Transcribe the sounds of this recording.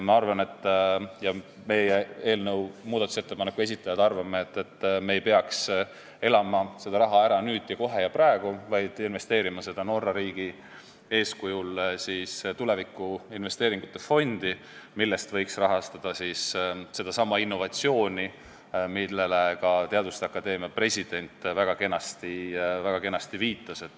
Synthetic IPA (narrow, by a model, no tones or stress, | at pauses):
mɑɑrvɑne̞t̪ˑːjɑ | me̞jee̞ːlnə̞wmuːd̪ɑt̪use̞t̪ːe̞pɑnekːues̬it̪ːˑɑjɑd̪ɑrvɑmːeet̪ːˑet̪ˑːme̞ːjpe̞ɑks | e̞lɑmɑse̞d̪ɑɾɑɦɑeɾɑnyːd̪̥jɑko̞ɦe̞jɑprɑeɡ̥uvɑjd̪̥inve̞st̪e̞ːɾimɑse̞d̪̥ɑno̞rːɑɾiːɡ̥i | e̞ːskujulsist̪ulevikːˑuinve̞st̪eːɾiŋɡ̥ut̪ːˑe̞fo̞nd̪̥i | milːe̞st̪vɤ̞jksrɑɦɑst̪ɑd̪̥ɑsisse̞d̪̥ɑsɑmːɑinːo̞vɑt̪sio̞ːnʲi | milːelekɑt̪e̞ɑd̪̥ust̪eɑkːˑɑd̪e̞ːmiɑpre̞sʲid̪̥e̞nʲt̪ːˑvæɡ̥ɑke̞nɑst̪ivæɡ̥ɑke̞nːɑst̪iviːt̪ːˑɑse̞t̪ːˑ